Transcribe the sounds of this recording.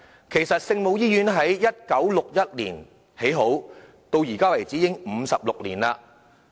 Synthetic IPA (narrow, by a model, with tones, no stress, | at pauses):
kʰe˨˩jsɐ˨t̚sɪ˧ŋmo˨˧wjiː˥jyː˨˥nɦɐ˨˥jːɐ˥t̚kɐ˨˥wlʊ˨k̚jɐ˥t̚lḭː˨˩n | he˨˥jɦo˨˥w | t̪o˧wjiː˨˩kaː˥wɐ˨˩jt͡siː˨˥jɪ˥ŋm̩˨˧sɐ˨p̚lʊ˨k̚liː˨˩naː˧